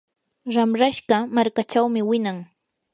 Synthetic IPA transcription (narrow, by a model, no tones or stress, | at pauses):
ɾamɾaʃɢɑmaɾkat͡ʃawmɪwɪnaŋ